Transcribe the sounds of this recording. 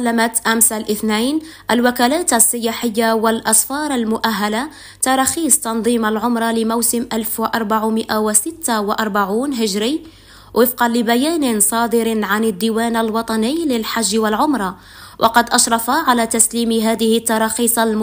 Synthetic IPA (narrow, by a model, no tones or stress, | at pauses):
lːamat̪ʔæmsalʔɪθnajn | ʔalwakælaːt̪asˤːɪjaħəjːawalʔɑsˤfɑːɾˤalmʊʔaɦːala | t̪ɑɾˤɑxiːsˤt̪ɑnd̪ˤiːmalʕʊmɾˤɑlɪmawsɪmʔælfwʔɑɾˤbaʕumɪʔawɪsɪt̪ːawʔɑɾˤbaʕuːnɦɪʒɾi | wʔəfqɑlɪbæjæːnɪnsˤɑːd̪əɾnʕanad̪ːiwæːnalwɑt̪ˤɑnijlɪlħaʒːwalʕʊmɾˤɑ | wʔɑ̰qɑd̪ʔɑʃɾˤɑfaʕalæt̪asliːmɦæːd̪ɪhɪt̪ːɑɾˤɑxiːsˤalm